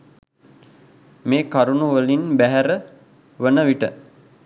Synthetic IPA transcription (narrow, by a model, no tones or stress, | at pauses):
meːkaɾunuʋəlinbæɦæɾə | ʋənəʋiʈə